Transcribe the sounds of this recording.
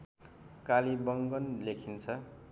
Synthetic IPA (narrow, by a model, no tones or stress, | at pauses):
kalibʌŋɡʌnlekʰint͡sʰʌ